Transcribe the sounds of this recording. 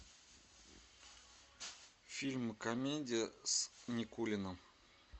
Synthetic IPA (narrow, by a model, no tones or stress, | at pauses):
fʲilʲmɨkɐmʲedʲɪjəsnʲɪkulʲɪnəm